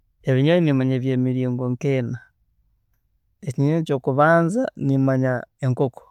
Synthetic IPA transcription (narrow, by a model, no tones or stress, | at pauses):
e̞βiɲainimaɲeβjeːmiɾiːŋɡoŋkena | eciɲeco̞ːkuβaːnzanimaɲaeŋkoko̥